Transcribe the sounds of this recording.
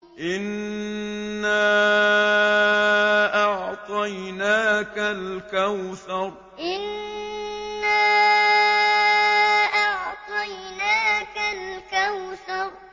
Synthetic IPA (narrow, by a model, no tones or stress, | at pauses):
ʔɪnː | aː | ʔɑʕt̪ˤɑjnaːkalkawθɑɾˤ | ʔɪnː | aː | ʔɑʕt̪ˤɑjnaːkalkawθɑɾˤ